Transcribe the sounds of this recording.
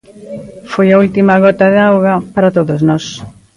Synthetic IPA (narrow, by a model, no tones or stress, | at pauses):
fojɐult̪imɐɣɔt̪ɐðeawɣɐpaɾat̪oðoznɔs